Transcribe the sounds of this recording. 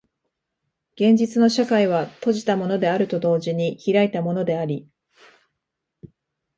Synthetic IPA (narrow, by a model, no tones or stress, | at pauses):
ɡ̥ẽ̞ɲ̟d͡ʑit͡sɨno̞ɕakaiβ̞at̪o̞ʑi̥t̪amo̞no̞d̪e̞aɾɯ̟t̪o̞d̪o̞ːʑiɲ̟içiɾait̪amo̞no̞d̪e̞aɾʲi